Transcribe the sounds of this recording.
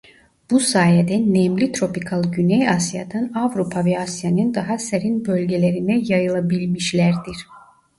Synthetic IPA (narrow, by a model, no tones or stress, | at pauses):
b̥usaːjed̪ɛnːɛmlʲit̪ʰɾo̞pikʰalˠɟynɛjasja̰d̪anavɾupʰavɛasjanɯnd̪aɦaseɾinbø̞lʲɟelʲeɾinɛjajɯlˠabilʲmiʃlʲæɾd̪iɾ̥